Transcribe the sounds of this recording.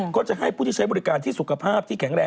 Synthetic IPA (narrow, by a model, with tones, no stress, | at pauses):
kɔː˦˥˩t͡ɕa˨˩ɦa˦˥˩jpʰuː˥˩t̪i˥˩a˦˥jbɔ˧ɾi˦˥kaː˧nt̪ʰiː˥˩su˨˩kʰa˧pʰaː˥˩p̚t̪ʰiː˥˩kʰɛ˩˦ŋɾɛː˧